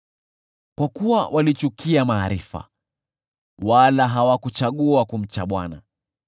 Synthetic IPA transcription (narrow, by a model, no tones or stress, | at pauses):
kwakuwawʔalit͡ʃukʰiamaːɾifa̰ | walaɦawakut͡ʃaɠuakum̩t͡ʃaɓwana